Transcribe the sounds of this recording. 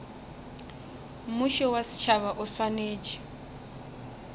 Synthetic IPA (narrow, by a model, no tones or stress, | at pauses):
mʊʃɛwasi̥t͡ʃʰaβaʔʊswaneːd͡ʒi̥